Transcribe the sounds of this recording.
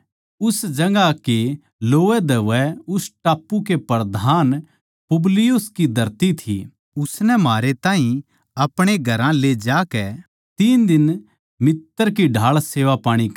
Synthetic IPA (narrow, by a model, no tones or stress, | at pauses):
ʊsd͡ʒɐŋɡake | loːʋɛd̪ɐʋɛʊsʈaːpːuk̬epɐɾd̪ʱaːn | pʊblɪjʊskid̪ʱɐɾt̪it̪ʰḭ | ʊsnɛmaːɾet̪ãːɦĩ | ɐpɽ̃eɡʱɐɾãled͡ʒaːkɛ | t̪iːnd̪ɪn | mɪt̪ːəɾk̬iɖʱaːɭseːʋapaːɽ̃i